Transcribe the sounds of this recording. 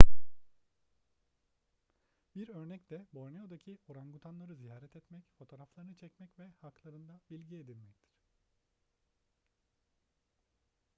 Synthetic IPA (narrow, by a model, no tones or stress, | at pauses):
biɾø̞ɾnɛcd̪ɛbo̞ɾnejo̞d̪acʰio̞ɾanɡut̪ʰanlˠaɾɯzijaːɾɛt̪ʰɛt̪mɛcfo̞t̪ʰo̞ɾaflˠaɾɯnɯt͡ʃʰɛcmɛcvɛhaklˠaɾɯnd̪abilʲɟie̞d̪ilʲmɛct̪ʰi̥ɾ̥